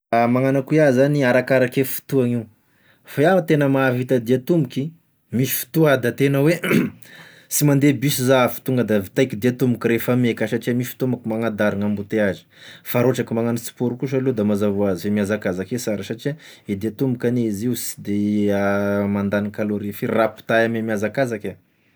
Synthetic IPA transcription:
amaŋanakuiazaniaɾakaɾakefi̥t̪uaŋiw | fajat̪enəmavit̪ad̪iat̪umbuki | misi̥fi̥t̪uad̪at̪enəwe | simand̪ebisizafu̥t̪uŋɡəd̪at̪ajkid̪iat̪umbukiɾefamekasaʈ͡ʂiamisfi̥t̪umakimaŋad̪aɾiŋambut̪eazi̥faɾoʈ͡ʂakimaŋanit͡su̥puɾukuʃ̬alod̪amazavuazifemiazakazakesaɾasaʈ͡ʂiaid̪iat̪umbukʲanezisi̥d̪eamand̪anikaloɾifirapu̥t̪aamemiazakazakʲa

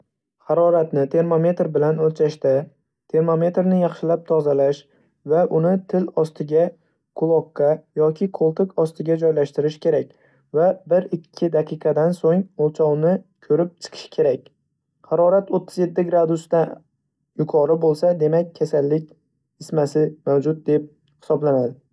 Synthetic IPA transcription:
hɑɾɒɾat̪nɪt̪ʰe̞ɾmome̞t̪ɾbɪlanolt͡ʃʰaʃt̪a | t̪ʰe̞ɾmo̞me̞t̪ɾnɪjɑχʃɪlap̚t̪ʰɒzalaʃ | vaʔʊnɪt̪ʰɪlɒst̪ʰɪɡʲa | kʰʊlˠɒkːɑjɒkʲʰɪqʰolˠt̪ʰɪkɒst̪ɪɡʲad͡ʒɒjlaʃt̪ɪɾɪʃkʲe̞ɾakʲ | vabɪɾɪkʲʰːɪd̪ɑqʰɨqʰɑd̪ansoŋolˠt͡ʃʰɒwnɪkʲʰɵɾɪp̚t͡ʃʰɨ̥qʰɨ̥ʃkʲʰe̞ɾakʲ | hɑɾɒɾat̪ot̪ʰːɪzje̞t̪ːɪɡɾad̪ʊst̪a | jʊkʰɒɾɪbolˠsad̪e̞mak̚ʲʰːasalːɪkʲ | ɪsmasɪmawd͡ʒʊt̪̚d̪e̞p̚ | hɪ̥sɒblanad̪ɪ

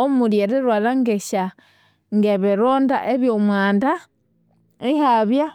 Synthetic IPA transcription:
omuɾjeɾeɾwalaŋɡeʃa | ŋɡeβeɾoːnda̰ʔeβjomwaːnda | ihaβja

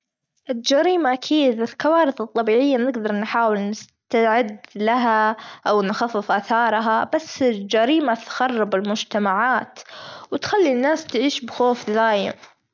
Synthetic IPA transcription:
ʔɪld͡ʒaɾiːmaʔakʰiːd̪ɪlkawɑːɾɪθɨt̪ˤːɑbiːʕɪjːanɪɡd̪ɑɾˤnħaːwɪlnɪst̪aʕɪd̪laɦaʔawnxafːɪfʔaːθɑːɾˤɦabasːɪld͡ʒaɾiːmat̪ɣɑrˤːɑbɪlmʊd͡ʒt̪amaʕaːt̪wɪt̪xalːinːaːst̪ʕiːʃbxoːfd̪aːjɪ̰m

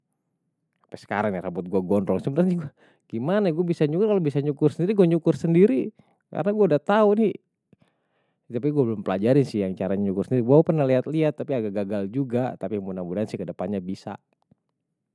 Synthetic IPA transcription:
apɛsə̥ka̰ɾaŋniɾabʊt̪̚ɡuaɡɔndɔŋsəbənatɲiɡua | ɡ̥imanaɡuabisaɲukʊrkalobisaɲukʊrsəndiɾiɡuaɲukʊrsəndiɾi | ka̰ɾənaɡuaudat̪auni | t̪apiɡuabəlʊmpəlad͡ʒaɾɪnsɪhjaŋt͡ʃaɾaɲaɲukʊrsəndiɾiɡuapərnahliat̪liat̪ːapiaɡaɡaɡald͡ʒuɡat̪apimunabudaansɪhkədəpanɲabisa̰

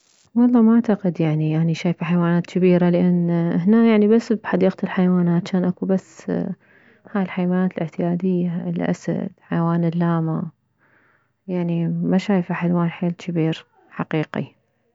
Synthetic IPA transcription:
wɑlˤːɑːmaʕt̪aqɪd̪jaʕniʔaniʃaːjfaħajawaːnaːt̪kɪbiːɾalɪʔanːhnajaʕnibasːbħɑd̪iːqt̪ɪlħajawaːnaːt͡ʃaːnʔakubasː | haːjɪlħajawaːnaːt̪ɪlʔɪʕt̪ɪjaːd̪ɪjːalʔa̰sa̰d̪̥ħajawaːnɪlːaːma | jaʕnimaʃaːjfaħalwaːnħeːlkʰɪbiːɾ | ħaqiːqḭ

